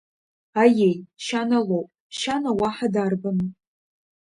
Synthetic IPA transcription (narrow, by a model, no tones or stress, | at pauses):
ajejʃanalowpʼ | ʃanawaħadarbɨm